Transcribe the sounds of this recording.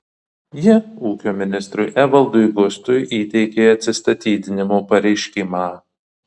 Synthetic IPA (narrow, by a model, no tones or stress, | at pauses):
jɪuːkʲoːmʲɪnʲɪst̪ɾʊjʔæʋɐlˠd̪ʊɪɡʊst̪ʊjʔiːt̪ʲɛɪkʲeːɐt̪ʲsʲɪst̪ɐt̪ʲiːd̪ʲɪnʲɪmoːpɐɾʲɛɪʃʲkʲɪmaː